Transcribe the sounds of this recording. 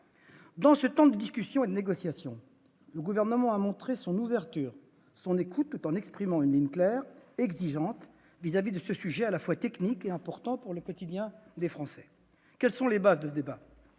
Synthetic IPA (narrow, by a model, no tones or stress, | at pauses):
d̪ɑ̃sət̪ɑ̃d̪əd̪iskʲysjɔ̃ed̪əneɡɔsjasjɔ̃ | ləɡuvɛʁnəmɑ̃amɔ̃t̪χesɔ̃nuvɛʁt̪yːʁ | sɔ̃nekut̪ːut̪ɑ̃nɛkspχimɑ̃ynliɲklɛːʁɛɡziʒɑ̃t̪ | vizavid̪əsəsyʒɛalafwat̪ɛknikeɛ̃pɔʁt̪ɑ̃puʁləkɔt̪id̪jɛ̃d̪efχɑ̃sɛ̥ | kʲɛlsɔ̃lebazd̪əsəd̪eba